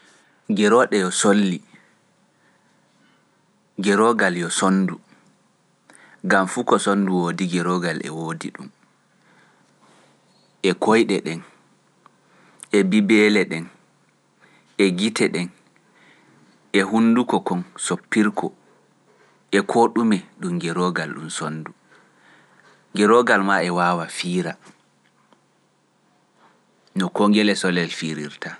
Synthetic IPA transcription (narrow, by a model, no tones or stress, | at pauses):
ɡɛɾɔɗɛjɔsolːi | ɡɛɾɔɡaljɔsondu | ɡamfukɔsonduwodiɡɛɾɔɡalʔɛ̰woːdḭɗum | ʔɛkʰojɗɛɗɛn | ʔɛbibɛlɛɗɛn | ɛɡitɛɗɛn | ʔɛhundukɔkɔnsopːiɾkʰɔ | ʔɛkʰoɗumɛɗumɡɛɾoɡalɗṵmsonːdu | ŋɡɛɾɔɡalmaɛwawafiːɾa | nɔkoŋɡɛlɛsɔlɛlfiɾiɾta